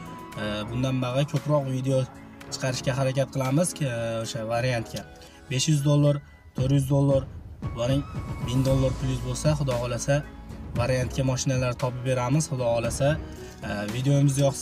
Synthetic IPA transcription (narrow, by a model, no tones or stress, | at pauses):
bʊnd̪anbaʁˠkʲʰɵpɾɒqvid̪eo | t͡ʃʰɨ̥qʰɑɾɪʃkʲaɦaɾakʲat̪̚qʰɨlˠamɪz̥oʃavaɾijant̪kʲa | be̞ʃjʏzd̪olˠːaɾ | t̪ʰoɾjʏzd̪olˠːaɾvanɪŋbɪnd̪olˠːaɾpʰʊljʊzbolˠsaχʊd̪ɒʁɒlasavaɾjant̪̚kʲamɒʃɪnalaɾt̪ʰɒpɪp̚be̞ɾamɪz̥χʊd̪ɒʁɒlasa | vid̪ejoɪmɪzjɒχs